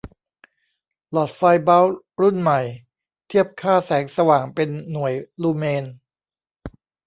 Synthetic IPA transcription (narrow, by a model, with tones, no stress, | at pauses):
lɔ˨˩t̪̚faː˧jba˦˥w | ɾu˥˩nma˨˩j | t̪ʰi˥˩əp̚kʰaː˥˩sɛː˩˦ŋsa˧waː˨˩ŋpe˧nːu˨˩əjluː˧meː˧n